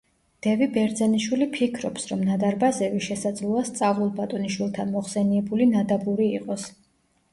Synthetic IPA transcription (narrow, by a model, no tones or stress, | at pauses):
d̪̥ɛvibɛɾd̪zɛniʃwilipʰikʰɾɔpsɾɔmnad̪aɾbazɛviʃɛsad̪zlˠuast̪sʼavlˠulˠbat̪ʼɔniʃwilˠt̪ʰanmɔχsɛniɛbulinad̪abuɾiːqʼɔs